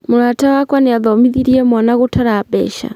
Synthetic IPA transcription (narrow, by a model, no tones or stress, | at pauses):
muɾatawakwanɛaðɔmiðiɾiɛmwanaɣutaɾabɛ̰ʃa̰